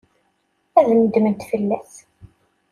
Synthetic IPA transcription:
æðəmd̪mənt̪fəlːæθ

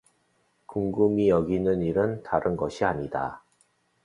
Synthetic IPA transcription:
kuŋɡumijʌɡinɯniɾɯntaɾʔɯnɡʌɕʰiaɲida̰

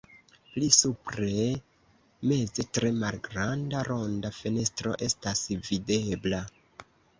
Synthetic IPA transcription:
plisupɾe̞ | me̞zetɾe̞malɡɾandaɾo̞ndafe̞ne̞stɾo̞̰ʔe̞stasvide̞bla

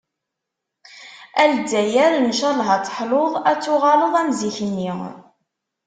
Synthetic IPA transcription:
æld̪æjæɾnəʃæɾˤlɦɑt͡sːˤħloðˤæt͡sːuʁɑloðˤæmziçənːi

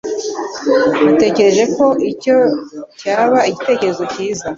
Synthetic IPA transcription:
nate̞ːce̞ɾe̞ʒe̞ko̞ʔico̞caːβaiɟite̞ːce̞ɾe̞zo̞ciːza

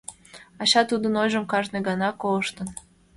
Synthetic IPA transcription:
ɑɕɑt̪ud̪ənojʒəmkɑʒneɡɑnɑkoləʃt̪ə̆n

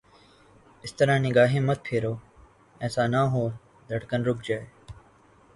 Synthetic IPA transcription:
ɪst̪əɾãːniɡaːɦẽːmət̪̚pʰeːɾoː | ɛ̃ːsãːnãːɦõː | d̪ʱəʈkənɾʊkʰd͡ʒaːe

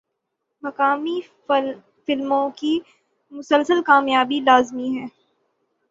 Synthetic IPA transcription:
mɐkaːmi | fɪlmõki | mʊsəlsəlkaːmjaːbilaːzmiɦɛː

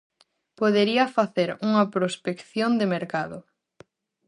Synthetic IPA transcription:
poðeɾiɐfaθeɾuŋɐpɾospekθjond̪emeɾkaðʊ

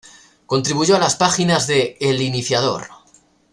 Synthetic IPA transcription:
ko̞nt̪ɾiβuʝo̞alaspaxinazðe̞ːliniθjað̞o̞̰ɾ

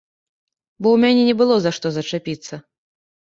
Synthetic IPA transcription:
bɔwmʲanʲɛnʲɛbɨlˠɔzaʂt̪ɔzɐt͡ʂapʲit̪sːɐ

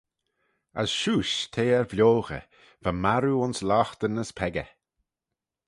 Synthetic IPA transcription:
ə̰sʃuːʃt̪ʰeːɛɹvlʲoːɣə̰ | v̥amaɾuʊnslɔːxt̪ənəspʰɛɡə

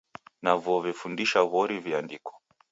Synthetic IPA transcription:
navɔvɛfundiʃaβɔɾiviandikɔ̥

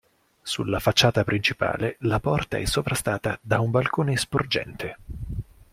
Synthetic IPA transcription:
sṵlːafat͡ʃːaːt̪apɾint͡ʃipa̰ːlelapɔrt̪a̰ɛsːopɾast̪aːt̪ad̪aumbalkoːnespord͡ʒɛ̰nt̪ʰe

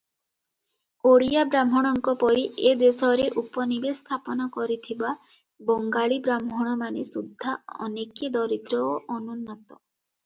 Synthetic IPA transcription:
oɽijabɾamɔɽ̃ɔŋkɔpɔɾiʔed̪esɔɾeʔupɔnibest̪ʰapɔnɔkɔɾit̪ʰiba | bɔŋɡaɭibɾamɦɔɽ̃ɔmanesud̪ʱːaɔ̰neked̪ɔɾit̪ɾɔoʔɔnunːɔt̪ɔ

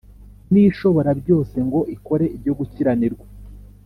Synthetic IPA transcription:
niʃo̞βo̞ɾabjo̞ːse̞ŋɡo̞ʔiko̞ɾe̞ibɟo̞ɡuciɾaniɾɡwa

